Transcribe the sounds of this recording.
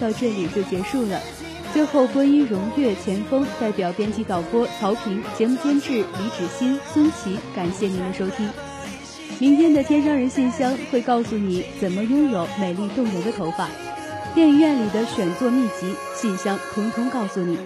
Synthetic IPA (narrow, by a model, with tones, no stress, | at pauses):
t̪ɑ˥˧ʊʈ͡ʂɤ˥˩li˨˩t͡ɕjo˥˩ʊt͡ɕjɛ˧˥ʂu˥˩lə̰˩ | t͡swe˥˧ɪxo˥˩ʊkwa˥ny˥ɻʊ˧˥ŋjɛ˥˩t͡ɕʰjɛ˧˥nfɤ˥ŋt̪a˥˩ɪpjɑ˨˩ʊpjɛ˥nt͡ɕʰi˧˥˩t̪ɑ˨˩ʊpwɔ˥t͡sʰɑ˧˥ʊpʰi˧˥ŋt͡ɕjɛ˧˥mu˥˩t̪ʰjɛ˥nʈ͡ʂɻ̩˥˩li˧˥ʈ͡ʂɻ̩˨˩ɕi˥nsʰə˥nt͡ɕʰi˧˥ka˨˩nɕjɛ˥˩ni˧˥d̪ə˧ʂo˥ʊt̪ʰi˥ŋ | mi˧˥ŋt̪ʰjɛ˥nd̪ə˨t̪ʰjɛ˥nʂ̬ɑ˥ŋɻə˧˥nɕi˥˩nɕjɑ˥ŋxwe˥˧ɪkɑ˥˩ʊsu˨˩ni˨˩˦t͡sə˨˩nmə˦jʊ˥ŋjo˨˩˦ʊme˨˩ɪli˥˧t̪ʊ˥˩ŋjə˧˥ŋd̪ə˧t̪ʰo˧˥ʊfa˨˩˦ | t̪jɛ˥˧n˧ɥɛ˥˩nli˨˩d̪ə˦ɕɥɛ˨˩nt͡swɔ˥˧mi˥˩t͡ɕi˧˥ | ɕi˥˩nɕjɑ˥ŋt̪ʰʊ˧˥ŋt̪ʰʊ˥ŋkɑ˥˩ʊsu˨˩ni˨˩˦